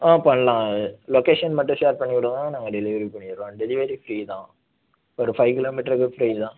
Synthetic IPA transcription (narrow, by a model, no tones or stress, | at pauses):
ãːpɐːɳːɐlãːlokeːʂɐnmɐʈːɯ̃sʈaːɾʈ̚pɐɳːikːʊɽɐ̃ãːnaːŋɡɐɖɛlɪʋɐɾipɐɳːɪɾõːɖɛlɪʋɐɾifɾiːt̪ãː | ɔɾɯfɐɪʋkɪloːmɪʈɐɾkːɯfɾiːt̪ãː